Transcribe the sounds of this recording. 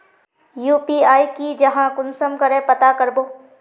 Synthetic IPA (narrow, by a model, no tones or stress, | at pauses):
juːpiaːikid͡ʒɐɦãkʊnsəmkəɾẽpɐt̪akəɾboː